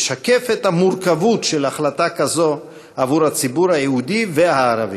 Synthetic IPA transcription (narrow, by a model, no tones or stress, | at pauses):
ʃake̞fethamuʁkavutʃelaχlatakazo̞ | avuɾhat͡sibuɾhajehudiveaːɾa̰vḭ